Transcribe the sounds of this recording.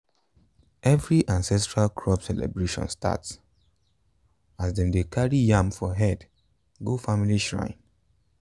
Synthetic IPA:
ʔɛvɹiʔãnsɛstɹalkʰɹɔbsɛlɛ̰bɹeʃɔ̰̃nstʰa̰ts | asdɛ̃mdekʰaɹijãmfɔɦɛd | ɡofamiliʃɹã̰ɪ̃n

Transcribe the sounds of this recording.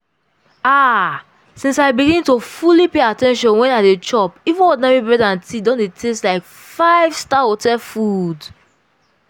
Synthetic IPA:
a | sĩnsaɪbiɡiñtofulipeatɛ̃nʃɔ̃nwɛ̃nadet͡ʃɔpivũnwɔdnaɹibɹɛdãntʰidɔ̃ndetʰestlaɪk | faɪv̥staotɛfud

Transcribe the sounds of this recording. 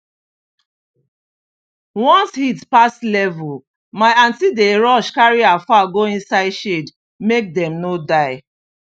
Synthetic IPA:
wɔ̃nshitpaslɛvul | maɪãntideɹɔʃkaɹiafaɡoĩnsaɪdʃed | mek̚dɛ̃mnodaɪ

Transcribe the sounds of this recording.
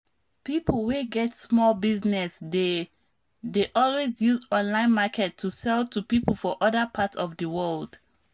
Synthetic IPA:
pipʰl̩ˠweɡɛtsmɔlbiznɛsde | deʔɔlwezjuzɔ̃nlãɪ̃nmakʰɛtʰːusɛlˠtʰupipl̩ˠfɔʔʌðəpʰatsɔvdəwɜld̥

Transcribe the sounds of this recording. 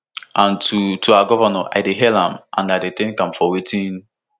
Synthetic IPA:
ʔãntutʰuaaɡɔvanaʔa̰ɪdeɦɛlãmʔã̰najdetɛ̃nkãmfɔwetĩn

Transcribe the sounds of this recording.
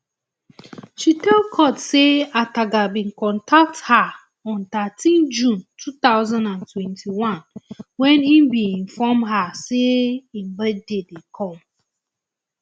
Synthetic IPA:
ʃitɛlkʰɔtseataɡabĩŋ̩kɔ̃ntʰak̚tha | ɔ̃nt̪atʰĩnd͡ʒũntʰutaʊzãndãntʰwɛ̃ntʰiwãnwɛ̃ninbĩĩnfɔmɦaseim̩bɛd̚dedekʰɔ̃m

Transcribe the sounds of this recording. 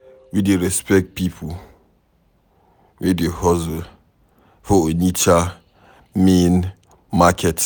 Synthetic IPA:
wideɹɛspɛk̚t̚pipʰu | widehɔzo | fɔonit͡ʃa | mẽn | makʰɛt

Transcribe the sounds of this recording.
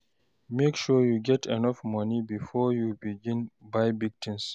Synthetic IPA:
mekʃujuɡɛtɛnɔfmʌnibifɔjubiɡĩnbajbiɡ̚tʰĩns

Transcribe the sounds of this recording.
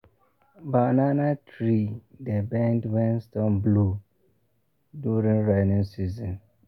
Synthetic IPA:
bananatʰɹidəbɛ̃ndwɛ̃nstɔ̃mblu | djuɹĩŋɹanĩŋsizɔ̃n

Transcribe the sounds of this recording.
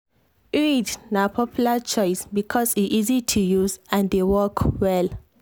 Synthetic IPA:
idnapʰɔpʰjulat͡ʃɔjsbikʰɔsitizitʰujuzãndewɔkʰwɛl

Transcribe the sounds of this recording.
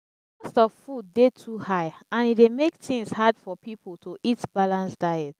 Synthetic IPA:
ɔstɔvfud̚detʰuhaɪãnidemek̚tĩŋshadfɔpipʰl̩tʰoʔitb̥alãnsd̥aɪɛt

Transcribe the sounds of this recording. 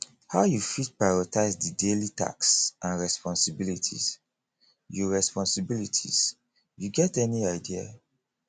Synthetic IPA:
haʊjufit̚pɹaɪɹɔtaɪsdidelita̰ksãnɹɛspɔ̃nsibilitʰḭz̥ | juɹɛspɔ̃nsibilitʰḭz̥ | juɡɛtɛniaɪdia̰

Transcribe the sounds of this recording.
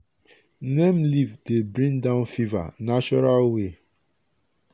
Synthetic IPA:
nɛ̃mlivdebɹĩŋdãʊ̃nfiva̰nat͡ʃɔɹalwe

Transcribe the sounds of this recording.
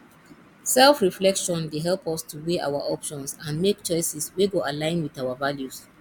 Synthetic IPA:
sɛlfɹiflɛkʃɔ̃ndeɦɛlˠpɔstʰuweʔa̰ʊwaʔɔpʃɔ̃nsãnmek̚t͡ʃɔɪsɛsweɡoʔalãɪ̃nwiðaʊavaljus

